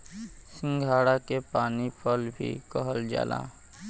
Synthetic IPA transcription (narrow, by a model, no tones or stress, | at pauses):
sɪ̃ŋɡʱaːɽakepaːnipʰəlbʱḭkəɦəld͡ʒa̰ːla̰